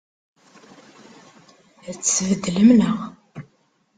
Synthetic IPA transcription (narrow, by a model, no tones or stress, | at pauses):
ðət͡sːsvəd̪ːləmnəʁ